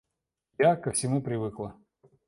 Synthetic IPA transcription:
jakəfsʲɪmupɾʲɪvɨklˠə

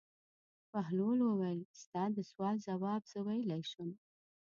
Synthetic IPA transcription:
paɦlolwəwalst̪ɑd̪əswɑlzawɑbzəwajlajʃum

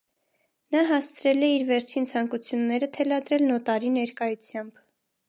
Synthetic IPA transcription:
nɑɦɑst͡sʰɾɛlɛiɾvɛɾt͡ʃʰint͡sʰɑŋkut͡sʰjunːɛɾət̪ʰɛlɑd̪ɾɛlnɔt̪ɑɾinɛɾkɑjut͡sʰjɑmb̥

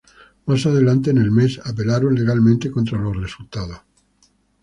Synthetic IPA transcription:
masað̞e̞lant̪̬enelme̞sap̬e̞laɾonle̞ɣ̞almẽnt̪eko̞nt̪ɾaloresult̪að̞o

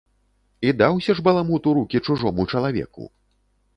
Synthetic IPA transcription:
id̪awsʲɐʐbɐlˠamut̪uɾukʲit͡ʂuʐɔmut͡ʂɐlˠavʲɛ̰kṵ

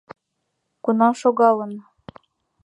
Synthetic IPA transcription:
kunɑʃoɣɑlɤ̆n

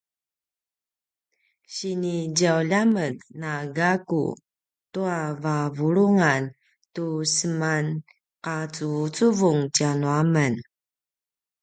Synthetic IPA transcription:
ɕiniɟawʎamətnaɡakṵ | tuavavuɾuŋan | tusəman | qat͡sut͡suvuŋtianuamən

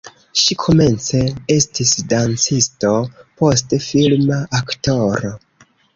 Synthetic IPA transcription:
ʃikʰo̞me̞nt͡se̞e̞stisdant͡sisto̞po̞stefilmaʔakto̞ɾo

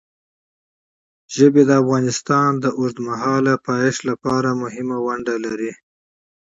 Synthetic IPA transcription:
ʒəbed̪əafɣɑnɪst̪ɑnd̪əʔʊɾd̪maɦɑlapɑjɪʃlapɑɾamʊhɪmawaɳɖalaɾi

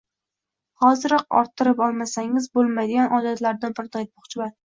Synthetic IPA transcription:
hɒzɪɾɒq̚ɒ̰ɾt̪ʰːɪɾɪpɒlˠmasaŋɪzbolˠmajd̪ɪɡʲanʔɒd̪at̪laɾd̪anbɪɾt̪ʰɒjt̪̚bɒχt͡ʃʰɪban

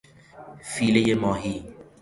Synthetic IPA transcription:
fiːlejemɔːɦiː

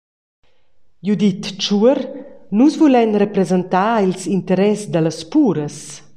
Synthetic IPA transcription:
jud̪it̪t͡ʃuəɾnusvulɛnrepɾezent̪aːilsint̪əɾɛsd̪ələspuːɾəs

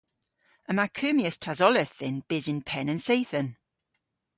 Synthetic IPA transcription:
əmakʰøːmiəstʰazɔləθɪnb̥ɪzɪnpʰɛnənsejθən

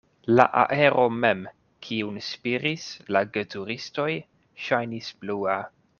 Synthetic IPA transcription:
la̰ʔa̰ʔe̞ɾʔo̞me̞m | kʰiunspiɾislaɡetuɾisto̞j | ʃajnisblua

